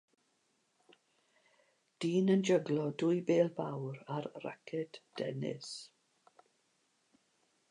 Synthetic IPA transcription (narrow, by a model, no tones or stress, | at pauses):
d̥iːnənd͡ʒəɡlɔdʊjbeːlˠbawɾaɾra̰kʰɛd̥d̥ɛ̰nɪ̰s